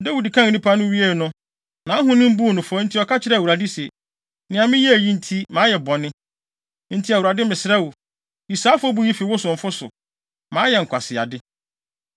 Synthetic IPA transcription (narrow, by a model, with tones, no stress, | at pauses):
da˦wu˨di˨kʰã˦ŋ˨nĩ˦pʰa˦nʊ̃˦ɥi˦e˦˨nʊ̃˦ | nã˨˦ɦʊ̃˦nɪ̃˦m̩˦bu˦˨nʊ̃˨fɔ˦n̩˦tʰi˦ɔ˨kʰa˦t͡ɕʰɪ˦ɾɛ˦˨u˨ɾa˨di˦sɛ˨ | nɪ̃˨ã˨mɪ̃˦jɛ˦æ˨jĩ˦n̩˨tʰi˦mãː˨˦jɛ˨bɔ˨nɪ̃˦ | n̩˦tʰi˦a˨wu˨ɾa˨dɪ˦mɪ̃˨sɪ˦ɾa˦wu˨ | i˨sa˦fɔ˦bu˦ji˦fi˨wʊ˦sʊ˨ɱ̩˨fʊ˦sʊ̰˨ | mã˨˦jɛ˨ŋ̩˨kʰʷa˨sɪ˨a̰˨dɪ˦